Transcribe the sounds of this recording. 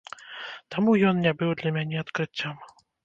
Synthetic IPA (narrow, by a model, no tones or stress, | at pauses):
t̪amujɔnnʲabɨwd̪lʲɐmʲanʲɛɐt̪kɾɨt͡sʲːam